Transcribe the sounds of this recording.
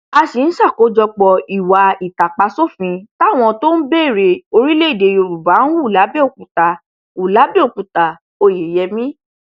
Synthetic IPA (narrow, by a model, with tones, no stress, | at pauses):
a˧si˨n̩˦ʃa˦˨ko˨˦d͡ʒɔ˧k͡pɔ˧i˨wa˨i˨ta˨k͡pa˧so˦˨fĩ˧ta˦˨w̃ɔ̃˧to˦n̩˦be˦˨ɾe˧˨o˧ɾi˦le˦i˦˨de˧jo˧ɾu˨ba˨˦n̩˦wu˦˨la˨˦bɛ˦o˨k͡pũ˨ta˧ | u˨la˨˦bɛ˦o˨k͡pũ˨ta˧ | o˧je˨jɛ˧mĩ˦